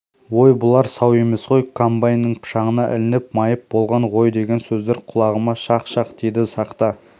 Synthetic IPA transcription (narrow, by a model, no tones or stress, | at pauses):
wo̞jbʊlˠɑɾsɑwe̞me̞sqo̞jkʰombajnːəɴpʰʃɑʁənɑʔɪ̰lɪnɪp̚mɑjəp̚bolˠʁɑɴʁo̞jd̪e̞ɡʲe̞nsɵzd̪e̞ɾqʰʊlˠɑʁəmɑʃɑqʃɑqd̪̥e̞jd̪ɪsɑqt̪ɑ